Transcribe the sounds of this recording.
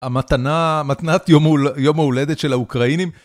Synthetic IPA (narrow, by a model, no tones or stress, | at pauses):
amat̪anamat̪nat̪jomujo̞maule̞d̪et̪ʃe̞laukʁainim